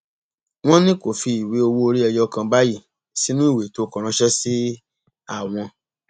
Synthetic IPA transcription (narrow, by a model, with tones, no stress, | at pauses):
w̃ɔ̃˦nĩ˦ko˦˨fi˧i˨we˨˦o˧wo˦o˧ɾi˦ɛ˧jɔ˦˧kã˧ba˦ji˦˨ | si˦nũ˦i˦˨we˨to˨˦kɔ̃˨ɾ̃ã˧ʃɛ˦si˦ | a˦˨w̃ɔ̃˧